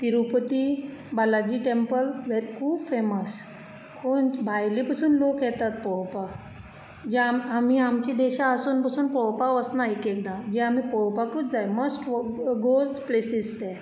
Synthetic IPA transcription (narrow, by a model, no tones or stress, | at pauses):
t̪iɾupət̪ibalad͡ʑiːʈempəlʋeɾkʰuːbfeməs | kʰonbʱajlipasuːnlokjɛt̪at̪̚pɔwpa | d͡ʑɛamamiamt͡ɕid̪ɛɕaəsuːnpasuːnpɔwpaʋəsnaekɛknad͡ʑɛ̃am̤ipɔwpakuːt͡sd͡zajməsʈɡosplesist̪ɛ